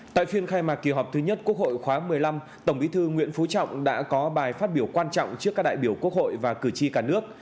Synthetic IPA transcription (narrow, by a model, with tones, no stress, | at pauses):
t̪a̰ː˧˨jfi˧ənxaː˧jmaː˨˩k̚ki˨˩ɦɔ˨˩p̚t̪ʰɨ˨˦ɲə˦˥t̚ku˥ək̚ho̰˧˨jxwaː˨˦mɨ˨˩əjla˧m | t̪ə˧˩wŋ͡mɓi˨˦t̪ʰɨ˧ŋwḭ˧˥ənfu˨˦t͡ɕɔ̰˧˨wŋ͡mɗa̰ː˧˥kɔ˨˦ɓaː˨˩jfaː˦˥t̚ɓi˧˩əwkwaː˧nt͡ɕɔ̰˧˨wŋ͡mt͡ɕɨ˦˥kaː˦˥k̚ɗa̰ː˧˨jɓi˧˩əwku˦˥ək̚ho̰˧˨jvaː˨˩kɨ˧˩t͡ɕi˧kaː˧˩nɨ˦˥ək̚